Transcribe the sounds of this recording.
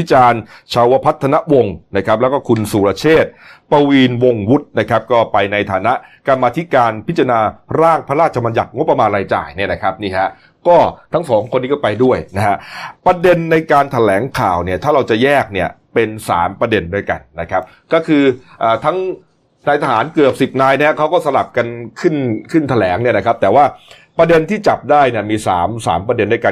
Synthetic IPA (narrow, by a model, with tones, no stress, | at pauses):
t̪ʰi˦˥t͡ɕaː˧nt͡ɕʰaː˧wa˦˩pʰa˦˥t̪ʰːa˧na˦˥ʔwo˧ŋna˦˥kʰa˦˥p̚lɛː˦˥wkɔː˥˩kʰu˧nsuː˨˩ɾaː˧t͡ɕʰeː˥˩t̪̚pa˧wiː˧nwo˧ŋwu˦˥t̪̚na˦˥kʰa˦˥p̚kɔː˥˩pa˧jna˧jt̪ʰaː˩˦na˦˥ʔka˧mːaː˧t̪ʰi˦˥kaː˧npʰi˦˥t̪t͡ɕa˧naː˧ɾaː˥˩ŋpʰa˧ɾaː˥˩t̪̚t͡ɕʰa˧ma˧nja˨˩t̪̚ŋo˦˥pːɾa˧maː˧nɾaː˧jt͡ɕa̰ː˨˩jni˥˩ɐna˦˥kʰɾa˦˥p̚niː˥˩ɦa˦˥ʔ | kɔː˥˩t̪ʰa˦˥ŋsɔː˩˦mkʰo˧nːiː˦˥kɔː˥˩pa˧jdu˥˩əjna˦˥ɦa˦˥ʔpɾa˧de˧nːa˧jkaː˧nt̪ʰa˧lɛː˩˦ŋkʰaː˨˩wni˥˩ɐt̪ʰaː˥˩ɾa˧wt͡ɕa˨˩jɛː˥˩k̚ni˥˩ɐpe˧nsa̰ː˩˦mpɾa˧de˧ndu˥˩əjka̰˧nːa˦˥kʰa˦˥p̚ | kɔː˥˩kʰɯː˧ʔaː˨˩t̪ʰa˦˥ŋ | naː˧jt̪ʰa˧˩aː˩˦nkɯ˨˩əp̚si˨˩p̚naː˧jnɛ˦˥ɐkʰa˦˥wkɔː˥˩sa˧la˨˩p̚ka˧nkʰɯ˥˩nkʰɯ˥˩nt̪ʰa˧lɛː˩˦ŋni˥˩ɐna˦˥kʰa˦˥p̚t̪ɛː˨˩waː˥˩ | pɾa˧de˧nt̪ʰiː˥˩t͡ɕa˨˩p̚daː˥˩jni˥˩ɐmiː˧sa̰ː˩˦msa̰ː˩˦mpɾa˧de˧nːa˧jkaː˧